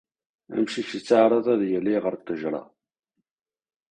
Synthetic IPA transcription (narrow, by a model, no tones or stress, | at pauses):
æ̰mʃiçit͡sːəʕɾˤɑðˤæðjəlːiʁəɾt̪əʒɾˤɑ̰